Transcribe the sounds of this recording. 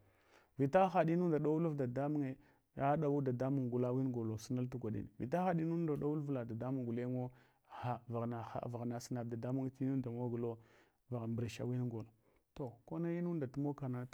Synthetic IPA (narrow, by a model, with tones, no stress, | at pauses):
vi˨ta˦xa˨di˦nu˦nda˨da˦wu˦lu˦vda˨da˦mu˦ŋe˦ | a˦ɗa˨wu˦da˨da˦mu˨ŋ˨ɡu˨la˦wi˦n˦ɡo˨lo˨si˦na˦ltu˦ɡʷa˨ɗḭ˨n̰˨vḭ˨ta˦xa˦di˦nu˦nda˨da˦wu˦lvla˨da˨da˦mu˦ŋ˨ɡu˨le˦ŋo˦ | ha˨va˨ɣna˨xa̰˨va˨ɣna˨si˦na˨da˨da˦mu˦ŋ˦ti˦nu˦nda˨mo˦ɡu˨lo˦ | va˨ɣmbɾe˨ʃa̰˦wi˦n˦ɡo˨lo˨ | to˨ko˦na˦ji˦nu˦nda˨tu˦mo˦ka˨na˦˨